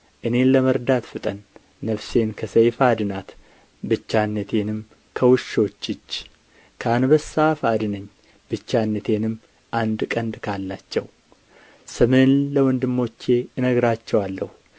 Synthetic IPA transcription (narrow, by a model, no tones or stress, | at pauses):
ʔɨne̞ləməɾd̪at̪fɨt̪ʼənː | əfse̞nkʰəsəjfad̪ɨnat̪ | bɨt͡ʃːanːət̪ʰe̞nɨm | kʰəwʊʃo̞t͡ʃːɪt͡ʃː | kʰanbəsːafad̪ɨnəɲː | b̥ɨt͡ʃːanːət̪ʰe̞nɨm | ʔand̪kʼənd̪kʰalːat͡ʃːɛw | sɨmɨnləwɔnd̪ɨmːo̞t͡ʃːe̞ɨnəɡɾat͡ʃːɛwalːəhu